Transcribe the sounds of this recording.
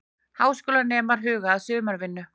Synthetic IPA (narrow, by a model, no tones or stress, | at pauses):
haːwskʏːlanɛːmaɾ̥ɦʏːɣaːðsʏːmaɾvɪnːʏ